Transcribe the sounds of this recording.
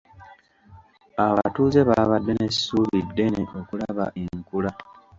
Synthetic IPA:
aβa̰tuːze̞βaβadːe̞nesi̥suːβidːe̞neʔo̞kulaβa̰ʔeŋkula

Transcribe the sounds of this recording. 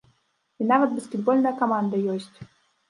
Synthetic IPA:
inavət̪̚bəskʲɪd̪bolʲnəjəkɐmand̪əjosʲtʲ

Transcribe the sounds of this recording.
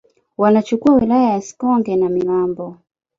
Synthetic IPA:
wanat͡ʃukuawilajajasi̥kɔŋɡɛnamilambɔ

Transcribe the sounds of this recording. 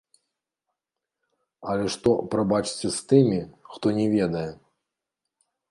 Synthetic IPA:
ɐlʲɛʂt̪ɔpɾabat͡ʂt͡sʲɛst̪ɨmʲixt̪ɔnʲɛvʲɛd̪ɐjɛ

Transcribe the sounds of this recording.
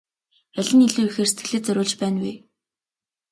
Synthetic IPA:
æɮʲɘ̆niɮuːixeːrse̥t̪ɡɘ̥̆ɮeːt͡sœɾʊːɮt͡ɕpæːnwiː

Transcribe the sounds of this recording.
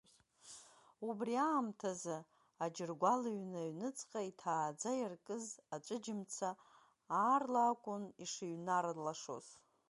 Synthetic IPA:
ubriaːmtʰazɨ | ad͡ʒɪrɡʷalaɥnaɥnɨt͡sʼqʼaitʰaːd͡zajarkʼɨzat͡ʃʷʼɨd͡ʒɪmt͡sʰa | aːrlaːkʷʼʊniʂiɥnaɾalaʂo̰z̥

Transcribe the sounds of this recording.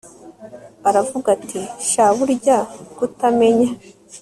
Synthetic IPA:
aɾavuɡatʰiʃaβuɾɟakutame̞ɲa

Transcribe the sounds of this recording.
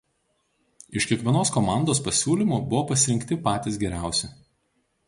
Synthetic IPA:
ɪʃʲkʲiɛkʲʋʲiɛnoːskɔmɑˑnd̪oːspɐsʲuːlʲiˑmuːbʊʋoːpɐsʲɪɾʲɪŋʲkʲt̪ʲɪpɑːt̪ʲɪsɡʲɛɾʲæˑʊsʲɛ

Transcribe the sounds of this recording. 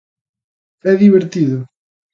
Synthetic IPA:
ɛðiβeɾt̪iðʊ

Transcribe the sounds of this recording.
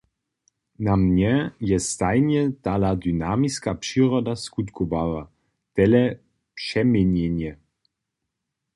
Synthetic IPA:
namɲɛjɛst̪ajnɛt̪alad̪ynaːmiskapʂiɾɔd̪askut̪kʰɔbava | t̪ɛlɛ | pʂɛmɛnjɛnjɛ

